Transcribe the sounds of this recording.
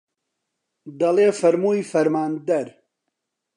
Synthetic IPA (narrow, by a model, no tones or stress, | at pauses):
d̪ɐleːfɐɾmuːjfɐɾmaːnd̪ɐɾ